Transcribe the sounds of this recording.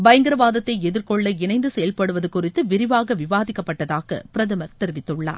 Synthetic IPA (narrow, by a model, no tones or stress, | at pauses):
bɐjɐŋɡɪɾɐʋaːðɐt̪ːɐɪɛðɪɾkɔɭːɐɪnɐɪnd̪ɯsɛjɐlpɐɽɯʋɐðɯkʊrɪt̪ːɯʋɪɾɪʋaːɣɐʋɪʋaːðɪkːɐpːɐʈːɐðaːɣɐ̰pɪɾɐðɯmɐɾt̪ɛɾɪʋɪt̪ːɯɭːa̰ːɾ